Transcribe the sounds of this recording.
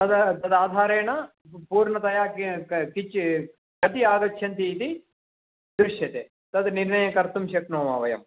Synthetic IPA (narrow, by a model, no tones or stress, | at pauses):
t̪ɐd̪t̪ɐd̪aːd̪ʱaːɾeːɳɐ | puːɾɳɐt̪ɐjaːkkit͡ʃ | kɐt̪iaːɡɐkʃʰjɐnt̪iːt̪i | d̪ɾuʂjɐt̪ḛː | t̪ɐd̪niɾɳɐjɐkɐɾt̪umʃɐknoːma̰ːʋɐjɐ̰m